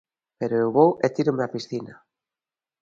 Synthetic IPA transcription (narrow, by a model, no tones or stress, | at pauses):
peɾoewβowet̪iɾomeapisθina